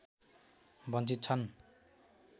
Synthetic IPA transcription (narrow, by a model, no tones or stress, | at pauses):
bʌnt͡sit̪̚t͡sʰʌn